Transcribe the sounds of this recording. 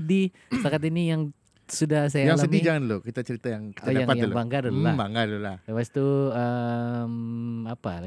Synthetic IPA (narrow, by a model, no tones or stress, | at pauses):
ədi | takat̪inijaŋ | sudahs̬ajajaŋlasəmdid͡ʒaŋanlokit̪at͡ʃəɾit̪ajaŋkə̥t͡ʃajdaaŋpatjalbaŋɡaluabaŋɡalulahlewast̪uəmapala